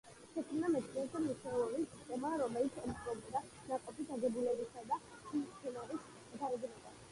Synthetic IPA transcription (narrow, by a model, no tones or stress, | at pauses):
ʃɛkʰmnamɛt̪sʰniɛɾt̪ʰɔniʃnɛlˠɔvisist̪ʼɛmaɾɔmɛlit̪sʰɛlk̪ɾɔd̪ɛd̪a | nakʼɔpʰisaɡɛbulɛbisad̪a | itʰɛnɔvis | d̪aɾɛɡnɛba̰